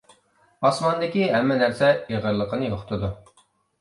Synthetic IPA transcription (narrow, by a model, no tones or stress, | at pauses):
ɑsmɑnd̪ɪkʲiɦɛmːɛnæɾsɛeʁəɾlˠəqʰənɨjoχʊ̥t̪ʰɨd̪u